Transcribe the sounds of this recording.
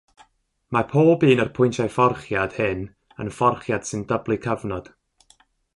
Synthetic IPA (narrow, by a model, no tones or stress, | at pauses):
marpʰoːlˠbiːnɔrpʰʊɨntʰajfɔrχjad̥hɪn | ə̰nfɔrχjad̥sɨndəblˠɨkʰəvnɔd̥